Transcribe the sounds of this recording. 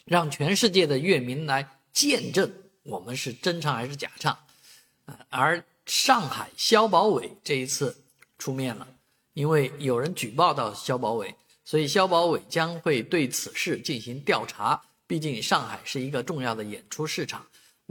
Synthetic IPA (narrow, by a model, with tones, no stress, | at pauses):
ɻɑ˥˩ŋt͡ɕʰɥɛ˧˥nʂɻ̩˥˧t͡ɕjɛ˥˩d̪ə˩ɥɛ˥˩mi˧˥nla˧˥ɪ | t͡ɕjɛ˥˧nʈ͡ʂə˥˩ŋ | wɔ˨˩mə˦nʂɻ̩˥˩ʈ͡ʂə˥nʈ͡ʂʰɑ˧˥ŋxa˧˥ɪʂɻ̩˥˩t͡ɕja̰˨˩ʈ͡ʂʰɑ˥˩ŋ | ə˧ə˞˧˥ | ʂɑ˥˩ŋxa˨˩ɪɕjɑ˥ʊpɑ˧˥ʊwe˨˩ɪʈ͡ʂɤ˥˩i˧˥t͡sʰɹ̩˥˩ | ʈ͡ʂʰu˥mjɛ˥˩nlə̰˩ | i˥nwe˥˩ɪjo˨˩ʊɻə˧˥nt͡ɕy˨˩pɑ˥˧ʊt̪ɑ˥˩ʊɕjɑ˥ʊpɑ˧˥ʊwe˨˩˦ɪ | swɔ˧˥i˨˩ɕjɑ˥ʊpɑ˧˥ʊwe˨˩ɪt͡ɕjɑ˥ŋxwe˥˧ɪt̪we˥˩ɪt͡sʰɹ̩˨˩ʂɻ̩˥˧t͡ɕi˥˩nɕi˧˥ŋt̪jɑ˥˩ʊʈ͡ʂʰa˧˥ | pi˥˧t͡ɕi˥˧ŋʂɑ˥˩ŋxa˨˩ɪʂɻ̩˥˩i˧˥ɡə˧ʈ͡ʂʊ˥˧ŋjɑ˥˩ʊd̪ə˩jɛ̰˨˩nʈ͡ʂʰu˥ʂɻ̩˥˩ʈ͡ʂʰɑ˨˩˦ŋ